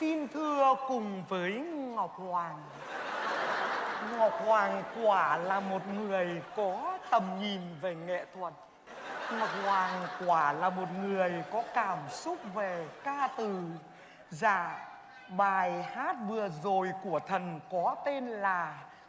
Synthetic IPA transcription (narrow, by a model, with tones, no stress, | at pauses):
t̪i˧nt̪ʰɨ˧əkʊ˨˩ŋ͡mvəː˨˦jŋɔ˨˩wk͡p̚hwaː˨˩ŋ | ŋɔ˨˩wk͡p̚hwaː˨˩ŋkwaː˧˩laː˨˩mo˨˩t̚ŋɨ˨˩əjkɔ˨˦t̪ə˨˩mɲi˨˩mve˨˩ŋɛ̰˧˨t̪ʰwə˨˩t̚ | ŋɔ˨˩wk͡p̚hwaː˨˩ŋkwaː˧˩laː˨˩mo˨˩t̚ŋɨ˨˩əjkɔ˨˦kaː˧˩msʊ˦˥k͡p̚ve˨˩kaː˧t̪ɨ˨˩ | za̰ː˧˩˨ | ɓaː˨˩jhaː˦˥t̚vɨ˨˩əzo˨˩jku˧˩ət̪ʰə˨˩nkɔ˨˦t̪e˧nlaː˨˩